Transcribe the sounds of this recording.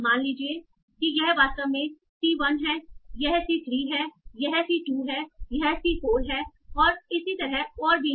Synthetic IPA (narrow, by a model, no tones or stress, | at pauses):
maːnliːd͡ʒie | kijɛɦʋaːst̪əʋmẽ | siʋɐnɦɛːjɛɦsitɾiːɦɛːjɛɦsiʈuːɦɛːjɛɦsikoːlɦɛː | ɔːɾɪsit̪ɐɾɛɔːɾbʱiː